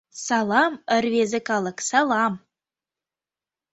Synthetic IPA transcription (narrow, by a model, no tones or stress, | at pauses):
sɑlˠɑmə̆ɾvʲezəkɑlˠəksɑlˠɑm